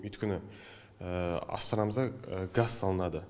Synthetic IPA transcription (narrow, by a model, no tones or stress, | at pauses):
ʏjt̪kʲɪnɪ | əɑ̰st̪ɑɾɑməzd̪ɑɡazsɑlˠənɑd̪ə